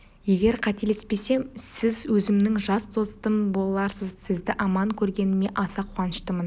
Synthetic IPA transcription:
je̞ɡʲe̞ɾqʰɑt̪elespe̞se̞msɪzwɵzɪmnɪŋʒɑst̪ʰo̞st̪əmbolˠɑlˠɑɾsəzsɪzd̪ɪʔɑmɑŋkʲʰɵɾɡʲe̞nɪme̞ʔɑsɑqʰʊʁɑnəʃt̪əmən

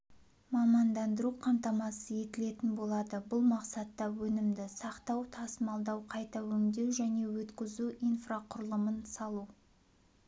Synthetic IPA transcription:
mɑmɑnd̪ɑnd̪əɾuqʰɑmt̪ɑmɑsəje̞t̪ɪle̞t̪ɪnbo̞lˠɑd̪əbʊlˠmɑqsɑt̪ːɑwɵnɪmd̪ɪsɑqt̪ɑwt̪ʰɑsəmɑlˠd̪ɑwqʰɑjt̪ɑwɵŋd̪e̞wʒæne̞wɵt̪kʲɪzuʔijnfraqʰʊɾəlˠəmənsɑlˠu

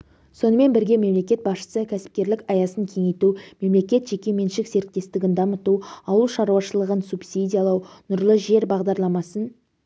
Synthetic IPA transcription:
so̞nəme̞nbɪɾɡʲe̞me̞mle̞kʲe̞t̪̚bɑsʃə̥səkʲʰæsɪ̥p̚kʲe̞ɾlɪkɑjɑsəŋkʲʰe̞ŋejt̪ume̞mle̞kʲe̞t̪ʒe̞kʲe̞me̞nʃɪkze̞ɾk̚t̪e̞st̪ɪɡʲɪnd̪ɑmət̪uɑwəlˠʃɑɾuwɑʃəlˠəʁənsupsidʲijalˠɑwnʊɾlˠəʒe̞ɾbɑʁd̪ɑɾlˠɑmɑsən

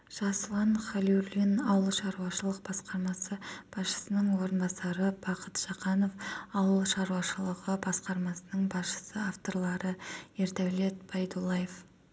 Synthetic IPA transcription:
ʒ̥ɑsəlˠɑnχalʲulʲinɑwəlˠʃɑɾuwɑʃəlˠəq̚b̥ɑsqɑɾmɑsəb̥ɑsʃə̥sənəɴwo̞ɾənbɑsɑɾəb̥ɑqət̪ʒ̥ɑqɑno̞fɑwəlˠʃɑɾuwɑʃəlˠəʁəbɑsqɑɾmɑsənəɴbɑsʃə̥səaft̪o̞ɾlˠɑɾəeɾt̪æwle̞t̪̚b̥ɑjd̪ulˠːɑjef

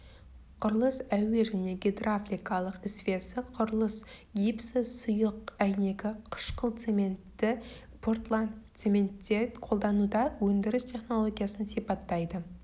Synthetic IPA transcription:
qʰʊɾlˠəsæwe̞ʒæne̞ɡʲed̪raflʲijkɑlˠəqɪsfʲesɪqʰʊɾlˠəsɡʲipsɪsʊjəqæjne̞ɡʲɪqʰə̥ʃqəlˠt̪semen | ɪ | pʰort̪lˠat̪sement̪ːet̪qʰo̞lˠd̪ɑnud̪ɑwɵnd̪ɪɾɪst̪ʰe̞χno̞lˠo̞ɡʲijasənsipɑt̪ːɑjd̪ə

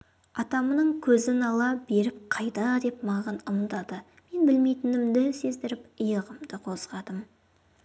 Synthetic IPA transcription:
ɑt̪ɑmənəɴkʲʰɵzɪnɑlˠɑbe̞ɾɪp̚qʰɑjd̪ɑd̪e̞pmɑʁɑnʊmət̪ɑd̪ə | me̞nbɪlme̞jt̪ɪnɪmd̪ɪse̞zd̪ɪɾɪpəjəʁəmd̪əqʰo̞sʁɑd̪əm

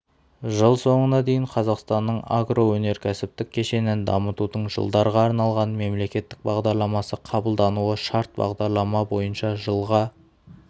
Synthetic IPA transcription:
ʒəlˠso̞ɴənɑd̪e̞jɪɴqʰɑzɑqst̪ɑnːəɴa̰ɡro̞wɵne̞ɾkʲʰæsɪp̚t̪ɪk̚ʲʰːe̞ʃe̞nɪnd̪ɑ̰mət̪ud̪əɴʒə̰lˠd̪ɑɾʁɑːɾnɑlˠʁɑnme̞mle̞kʲe̞t̪ːɪk̚bɑʁd̪ɑɾlˠɑmɑsəqʰɑbəlˠd̪ɑnuəʃɑɾt̪̚bɑ̰ʁd̪ɑɾlˠɑmɑbo̞jənʃɑʒəlˠʁɑ

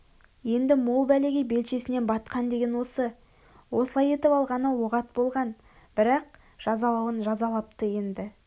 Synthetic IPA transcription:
je̞nd̪ɪmolˠbæleɡʲɪbe̞lʃe̞sɪne̞nbɑt̪qɑnd̪e̞ɡʲe̞nwo̞sə | wo̞səlˠɑje̞t̪ɪpɑlˠʁɑnəwoʁɑt̪̚bo̞lˠʁɑn | b̥ɪɾɑq̚ | ʒ̥ɑzɑlˠɑwənʒɑzɑlˠɑp̚t̪əje̞nd̪ɪ

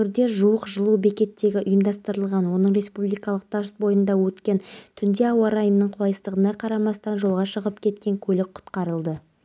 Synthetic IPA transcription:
ɪɾd̪e̞ʒuwəqʒəlˠube̞kʲe̞t̪ːe̞ɡʲɪʔʊjəmd̪ɑst̪əɾəlˠʁɑnwo̞nəɴɾe̞spublˠijkɑlˠəq̚t̪ʰɑst̪̚bo̞jənd̪ɑwɵt̪kʲe̞nt̪ʰʏnd̪e̞ɑwɑɾɑjənnəɴqʰʊlˠɑjəst̪əʁənɑqʰɑɾɑmɑst̪ɑnʒo̞lˠʁɑʃəʁəp̚kʲʰe̞t̪kʲe̞ŋkʲʰɵlɪk̚qʰʊ̥t̪qɑɾəlˠd̪ə

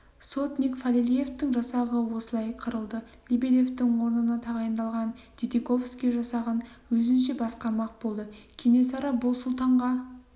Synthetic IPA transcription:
sot̪nʲikfalilʲije̞ft̪ɪŋʒɑsɑʁəwo̞səlˠɑjqʰəɾəlˠd̪ə | lʲibed̪e̞ft̪ɪŋwo̞ɾnənɑt̪ʰɑʁɑjənd̪ɑlˠʁɑnd̪̥ʲid̪eko̞fskʲiʒɑsɑʁɑn | wɵzɪnʃe̞bɑsqɑɾmɑq̚b̥o̞lˠd̪əkʲʰene̞sɑɾɑbʊlˠsʊlˠt̪ɑɴʁɑ

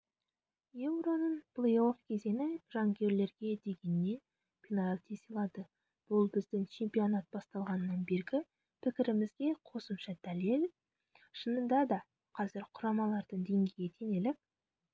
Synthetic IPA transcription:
ewɾonəɴplˠeofkʲʰe̞ze̞nɪʒɑŋkʲʰe̞ɾle̞ɾɡʲe̞d̪e̞ɡʲe̞nɪːe̞n | pʲʰinɑlʲt̪ʰeselˠɑd̪ə | b̥ʊlˠbɪzd̪ɪŋt͡ʃʰe̞mpʲijo̞nɑt̪̚bɑst̪ɑlˠʁɑnəːɑnbe̞ɾɡʲɪ | pʰɪkʲɪɾɪmɪzɡʲe̞qʰo̞səmʃɑd̪̥ælel | ʃənənd̪ɑd̪ɑ | qʰɑzɪɾqʰʊɾɑmɑlˠɑɾd̪əɴd̪e̞ŋɡʲeɡjʲet̪ʰe̞ne̞lɪk̚

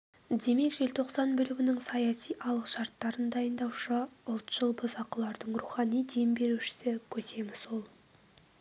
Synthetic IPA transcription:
d̪e̞me̞kʒe̞lt̪ʰo̞qsɑnbʏlɪɡʲɪnɪŋsɑjɑsijʔɑlˠəqʃɑɾt̪ːɑɾənd̪ɑjənd̪ɑwʃəʊlˠt̪ʒ̥əlˠbəzɑqəlˠɑɾd̪əɴruχɑnijd̪e̞mbe̞ɾuʃɪ̥sɪkʲʰɵse̞mɪzwo̞lˠ

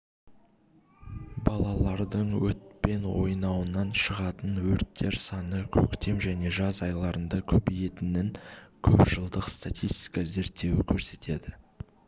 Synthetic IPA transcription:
bɑlˠɑlˠɑɾd̪əɴwɵt̪̚pe̞nwo̞̰jnɑwənɑnʃəʁɑt̪ənwɵɾt̪ʰːe̞ɾsɑnəkʲʰɵkt̪e̞mʒæne̞ʒɑzɑjlˠɑɾənd̪ɑkʲʰɵbije̞t̪ɪnɪŋkʲʰɵpʒ̥əlˠd̪əqst̪at̪ʲijst̪i̥jkɑze̞ɾt̪ːe̞wɪkʲʰɵɾse̞t̪ʰe̞d̪ɪ

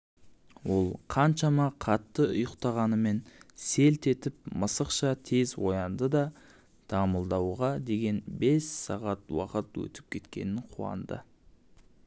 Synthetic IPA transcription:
wo̞lˠqʰɑnʃɑmɑqʰɑt̪ːəʊjəqt̪ɑʁɑnəme̞nse̞lt̪e̞t̪ɪp̚məsəqʃɑt̪ʰe̞zwo̞̰jɑnd̪əd̪ɑ | d̪̥ɑməlˠd̪ɑwʁɑd̪e̞ɡʲe̞nbe̞sːɑʁɑt̪wɑ̰qət̪wɵ̰t̪ɪ̥p̚kʲʰe̞t̪kʲe̞̰nɪɴqʰuɑ̰nd̪ə̰

